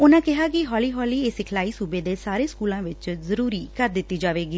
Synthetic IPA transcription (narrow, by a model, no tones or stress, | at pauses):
ʊnãːkɪɦaːk̬ɪɦɔːliːɦɔːliːesɪkʰlaːiːsuːbeːd̪eːsaːɾeːskuːlãːʋɪt͡ʃzəɾuːɾiːkəɾd̪ɪt̪ːiːd͡ʒaːʋeːɡiː